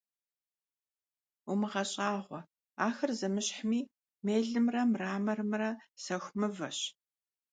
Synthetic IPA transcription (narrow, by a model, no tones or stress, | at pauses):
umɨʁɐɕʼɑːʁʷɔ | aːxɐrzɐmɨɕħmiː | meːɮɨmrɐmraːmɐrmrɐsɐxʷmɨvɐɕ